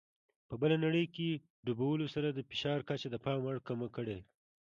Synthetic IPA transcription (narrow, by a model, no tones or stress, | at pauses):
pəbəlanaɽəjke | ɖubawəlosaɾad̪əfɪʃɑɾkat͡ʃad̪əpɑmaɽkamakəɽe